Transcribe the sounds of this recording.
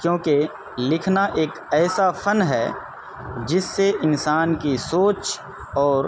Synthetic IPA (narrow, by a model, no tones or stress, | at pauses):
kjõːke | lɪkʰnaʔeːk | ɛːsafʰɐnɦɛː | d͡ʒɪsːeʔɪnsaːnkisoːt͡ʃ | ɔːɾ